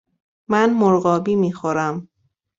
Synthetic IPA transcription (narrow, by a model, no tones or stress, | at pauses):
mænmoɾɢɒːbiːmiːxoɾæm